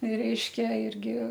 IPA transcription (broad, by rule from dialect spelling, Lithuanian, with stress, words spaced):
ˈrʲɛɪʃʲkʲɛ ˈɪrʲɡʲɪ